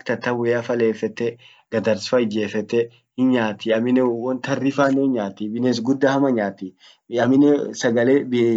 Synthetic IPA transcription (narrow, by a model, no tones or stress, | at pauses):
kt̪ɐt̪ːɐwɔjafɐleːfɛt̪ːɛ | ɡ̥ɐd̪ɐɾsfɐɪd͡ʒeːfɛt̪ːɛ | hɪnɲaːt̪ɪɐmɪnɛwɔnt̪ɐrːɪfaːneɲaːt̪ibɪnes̬ɡʊd̪ːɐhɐmɐɲaːt̪i | ɐmɪnɛsɐɡɐleːbɪ